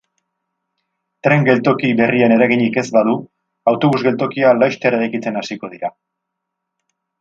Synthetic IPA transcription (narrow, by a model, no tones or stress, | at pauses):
t̪ɾe̞ŋɡe̞lt̪o̞kiβe̞riane̞ɾaɣ̞iɲike̞zbaðu | awt̪o̞βuzɣe̞lt̪o̞kialajʃt̪eɾeɾajkit͡se̞nasiko̞ð̞iɾa